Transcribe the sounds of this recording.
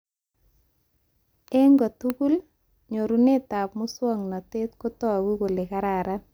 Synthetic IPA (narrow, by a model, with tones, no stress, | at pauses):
ɛ˦ŋɡɔ˨tu˦ku˦l | ɲo˨ɾu˨ne˦ta˨pmʊ˦swɔ˦ŋnɔ˨te˦t̚ko˦tɔ˦˨wi˦ko˨le˨ka˦ɾa˨ɾa